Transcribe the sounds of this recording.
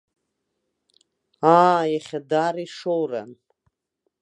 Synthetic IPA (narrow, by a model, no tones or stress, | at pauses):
ajaχʲadariʂowra̰n